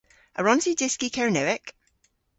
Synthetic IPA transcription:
əɹɔ̃ntidɪskikʰɛɹnɛwɪk

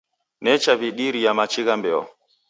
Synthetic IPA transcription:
nɛt͡ʃaβiɗiɾijamat͡ʃiɣambɛɔ̰

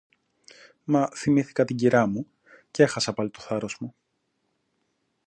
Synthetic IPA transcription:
mɐθimiθi̥kɐt̪iɟiɾɐmu | cee̞xɐsɐpɐlit̪oθɐɾo̞zmu

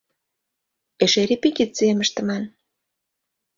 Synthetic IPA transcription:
eʃeɾepikit͡sieməʃt̪ə̆mɑn

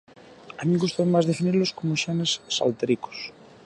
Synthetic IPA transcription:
amĩŋɡust̪oemazðefiniɾloskomoʃenesːa̰lt̪eɾiko̥s

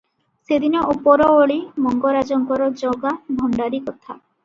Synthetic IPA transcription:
sed̪inɔʔupɔɾɔoɭimɔŋɡɔɾad͡ʒɔŋkɔɾɔd͡ʒɔɡabʱɔɳɖaɾikɔt̪ʰa̰

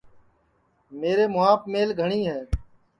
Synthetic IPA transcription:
meːɾeːmʊaːpmeːlɡʱəɳiːɦɛː

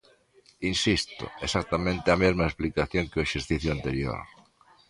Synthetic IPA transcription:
insist̪o̰esak̚t̪amẽnt̪ɪamezmaesplikaθjoŋkɪoeʃeɾθiθjoant̪eɾjo̰ɾ

